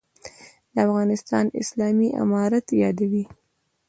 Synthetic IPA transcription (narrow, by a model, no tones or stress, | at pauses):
d̪əafɣɑnɪst̪ɑnɪ̰slɑmiʔa̰mɑɾat̪jɑd̪awi